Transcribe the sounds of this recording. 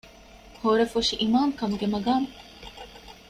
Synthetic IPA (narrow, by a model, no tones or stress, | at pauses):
hoɾefuʂiʔimaːŋkɐmuɡemɐɡaːn